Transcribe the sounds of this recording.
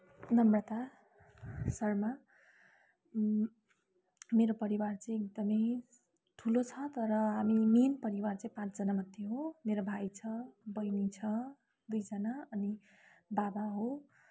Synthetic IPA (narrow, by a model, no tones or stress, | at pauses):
nʌmrʌt̪a | sʌrma | meɾopʌɾiwart͡sʌĩek̚d̪ʌmʌj | t̪ʰulot͡sʰʌt̪ʌɾʌɦamiminpʌɾiwart͡sʌĩpãt͡sd͡zʌnamʌd̪ʱjeɦomeɾobʱajt͡sʰʌbʌjnit͡sʰʌ | d̪ujd͡zʌnaʌni | babaɦo